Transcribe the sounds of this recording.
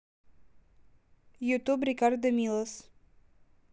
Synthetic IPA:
jut̪ubɾikard̪d̪əmʲilˠəs

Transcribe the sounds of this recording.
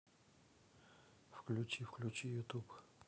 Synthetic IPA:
fklʲʊt͡ɕifklʲut͡ɕijʊt̪up

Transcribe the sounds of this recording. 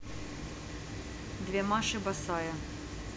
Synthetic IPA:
d̪vʲɛmaʂɨbɐsɑjɐ

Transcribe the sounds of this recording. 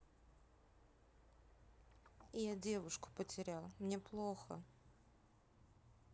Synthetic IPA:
ɪjadʲe̞vʊʂkʊ̥pətʲɪɾʲalˠmnʲe̞plˠoxə̰

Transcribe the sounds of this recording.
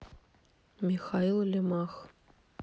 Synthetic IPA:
mʲixɑilˠlʲɘ̆mɑx

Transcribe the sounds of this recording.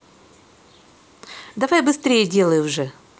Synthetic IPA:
d̪ɐvajbɨst̪ɾʲejədʲe̞lˠəjʊʐɛ

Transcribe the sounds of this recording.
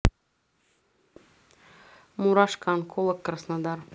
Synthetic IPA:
muɾɑʃkʰɑnkʰolˠəkʰːɾsnad̪ɑɾ

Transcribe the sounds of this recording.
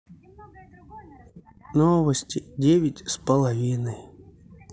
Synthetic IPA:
novəsʲtʲɪdʲeʋʲɪtʲspəlˠɐvʲinɨ

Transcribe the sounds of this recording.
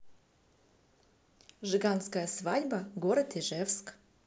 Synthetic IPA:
ʐɨɡanskəjəsvadʲbɐɡoɾət̪iʐɛfsk

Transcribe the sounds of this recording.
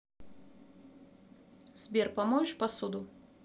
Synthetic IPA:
z̥ʲbʲiɾpɐmɔʃpɐsʊd̪ʊ

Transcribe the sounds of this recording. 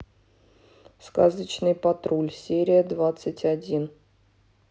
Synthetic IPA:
skazət͡ɕnɨjpɐt̪ɾulʲsʲeɾʲɪjəd̪vat̪sɨtʲadʲin

